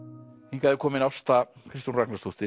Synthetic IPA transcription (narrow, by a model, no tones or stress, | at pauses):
iŋkaðewkomenawst̪akɾist̪unraknet̪ust̪i